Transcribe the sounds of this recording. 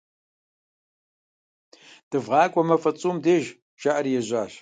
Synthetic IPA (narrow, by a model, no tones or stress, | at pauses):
d̥ɨvʁɑːkʷʼɔmɐfɐt͡sʼuːmdeːʒ | ʃaʔɐɾijɛʑʷaːɬ